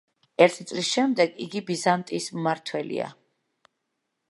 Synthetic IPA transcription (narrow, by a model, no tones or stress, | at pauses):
ɛɾt̪ʰit̪sʼlisʃɛmd̪ɛɡiɡibizant̪ʼismmaɾt̪ʰwɛlḭa̰